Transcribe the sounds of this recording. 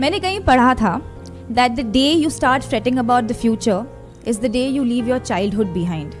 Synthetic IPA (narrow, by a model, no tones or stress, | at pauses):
mɛ̃ːnekɐɦĩpɐɽ̤at̪ʰa | d̪æʈ̚d̪əɖeːjuːsʈaːɾʈfɾɛʈɪ̃ŋəbaʊʈ̚d̪əfjuːt͡ʃəɾ | ɪzd̪əɖeːjuːliːʋjɔːɾt͡ʃaɪlɖɦʊɖ̚bɪɦãɪ̃ɳɖ